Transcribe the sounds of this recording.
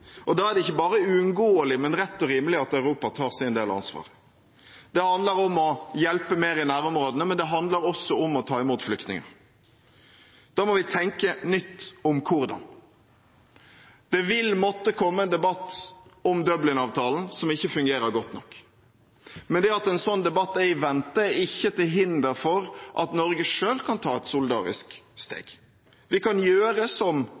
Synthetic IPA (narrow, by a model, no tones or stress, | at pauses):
ʔɔd̪ɑːæɾd̪ɛɪçːəbɑːɾəʉʉŋɡoːəlɪmɛnɾɛt̪ːɔɾiːməlɪɑt̪œʉɾuːpɑt̪ʰɑːɾsɪnd̪eːlɑ̰nsʋɑ̰ːʁə | d̪̥ɛhɑnd̪ləɾɔmɔjɛlpəmeːɾɪnæːɾɔmɾoːd̪ənəmɛnd̪ɛɦɑnd̪ləɾɔsːɔɔmɔt̪ʰɑːɪmuːt̪flʏkt̪nɪ̰ŋɑ̰ | d̪̥ɑːmɔʋɪt̪ʰɛŋkənʏt̪ːɔmkʰʊɾd̪ɑ̰n | d̪̥ɛʋɪlmɔt̪ːəkʰɔmːəɛnd̪ɛbɑt̪ːɔmd̪œblɪŋɑːʋt̪ʰɑːln̩sɔmɪçːəfʉŋɡeːɾəɾɡɔt̪nɔkː | mɛnd̪ɛɑt̪ɛnsɔnːd̪ɛbɑt̪ːɛɪʋɛnt̪əɪçːət̪ʰɪlɦɪnd̪əɾfɔɾʔɑt̪nɔɾɡəʂøːlkʰɑnt̪ʰɑːɛt̪suld̪ɑ̰ːɾɪ̰skst̪ḛːɡ̥ | ʋɪkɑnjøːɾəsɔm